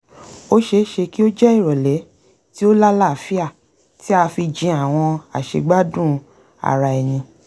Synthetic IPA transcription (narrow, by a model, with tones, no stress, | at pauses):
o˦ʃe˧˦ʃe˧ki˦o˦d͡ʒɛ˦i˦˨ɾɔ˨lɛ˨˦ | ti˦o˦la˦la˦˨fi˦a˦˨ | ti˨˦a˧fi˧d͡ʒĩ˧˦a˨w̃ɔ̃˧a̰˨ʃḛ˧ɡ͡ba˦dũ˦˨ | a̰˨ɾa˧ɛ˨nĩ˧